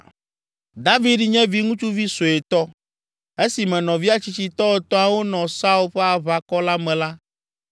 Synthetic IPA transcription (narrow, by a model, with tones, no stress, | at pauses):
d̪a˦vi˦ɖɲɛ̃˦vi˦ŋũ˦t͡ʃu˦vi˦so˨e˨t̪ɔ˦ | e˦si˨mɛ̃˨nɔ̃˨vi˦a˦t͡ɕi˦t͡ɕi˦t̪ɔ˦e˨t̪ɔ̃˦a˨wo˦nɔ̃˨sa˦u˦lɸe˦a˨βa˨kɔ˦la˦mɛ̃˨la˦